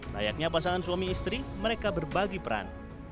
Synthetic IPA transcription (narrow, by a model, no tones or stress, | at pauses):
ra̰ja̰k̚ɲapasaŋansuamiːst̪ɾiməɾekabərbaɡipəɾa̰n